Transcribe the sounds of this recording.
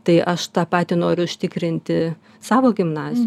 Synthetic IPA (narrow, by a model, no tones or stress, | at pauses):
t̪ɐɪʔɐʃt̪ɑːpɑːt̪ʲɪnoːɾʲʊʊʃʲt̪ʲɪkɾʲɪnʲt̪ʲɪ | sɑːʋoːɡʲɪmnɑːzʲɪj